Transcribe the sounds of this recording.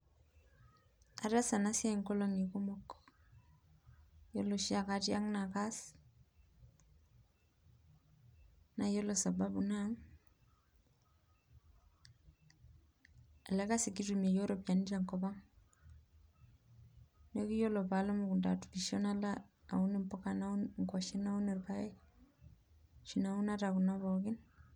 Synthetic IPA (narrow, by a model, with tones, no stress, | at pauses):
a̰˨ɾa˦sa˨na˦si˦a˦i˨ŋkɔ˦lo˦ŋi˨kɔ˦mɔ˦k | jo˦lo˨ʃi˦a˨ka˦tja˦ŋna˨ka˦s | na˨jo˦lo˨sa˨ba˦bu˨na˦ŋ | a˨lɛ˦ka˦si˨ki˦tume˨jo˦ɾopjanit͡ʃaŋkɔba˦ŋ | neki˦jo˦lo˨pala˦muku˨nda˨tu̥piʃɔna˦la | a̰˨uni˦mpɔ˦kanaunŋkaʃɛ˦na˦u˦ne˨rpa˦ɛ˦ | t͡ʃi˨nau˦na˦taku˨nabɔ˨kɪn